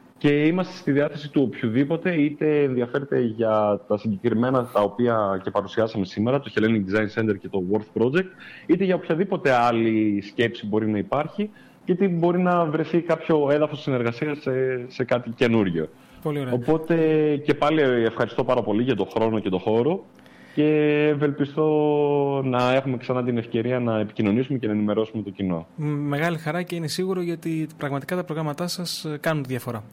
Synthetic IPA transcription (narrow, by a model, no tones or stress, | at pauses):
ce̞imɐst̪e̞st̪iðiɐθe̞sit̪uopçuðipo̞t̪e̞it̪e̞ːnðiɐfe̞ɾet̪e̞ʝɐt̪ɐsiɲɟe̞kɾime̞nɐt̪ɐo̞piɐce̞pɐɾusiɐsɐme̞sime̞ɾɐt̪o̞çe̞leniŋd̪izɐinse̞nd̪e̞ɾce̞t̪o̞woɾθpɾo̞d͡ʒek̚t̪̚it̪e̞ʝɐopçɐðipo̞t̪e̞ɐlisce̞psibo̞ɾinɐipɐɾçi | cet̪ibo̞ɾinɐvɾeθikɐpço̞eðɐfo̞sine̞ɾɣɐsiɐsese̞kɐt̪ice̞nuɾʝo̞̰ | po̞lioɾeopo̞t̪e̞ce̞pɐliefxɐɾist̪o̞pɐɾɐpo̞liʝɐt̪o̞xɾo̞no̞ce̞t̪o̞xo̞ɾo̞ | ce̞ve̞lpist̪o̞ | nɐe̞xume̞ksɐnɐt̪ine̞fce̞ɾiɐnɐepi̥cino̞nisumecenɐenime̞ɾo̞sume̞t̪o̞cino̞me̞ɣɐlixɐɾɐce̞ine̞siɣuɾoʝɐot̪ipɾɐɣmɐt̪i̥kɐt̪ɐpɾo̞ɣɾɐmɐt̪ɐsɐskɐnunt̪iðʝɐfo̞ɾɐ